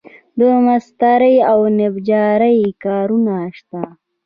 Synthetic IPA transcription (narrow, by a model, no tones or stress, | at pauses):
d̪əmast̪aɾəjawnebd͡ʒaːɾəjkaːɾunaʂt̪a